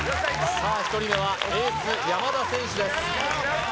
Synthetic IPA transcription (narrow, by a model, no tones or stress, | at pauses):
saːɕi̥t̪o̞ɾʲimeβaɾet͡sɨjamad̪asẽ̞ɰ̃ɕid̪e̞s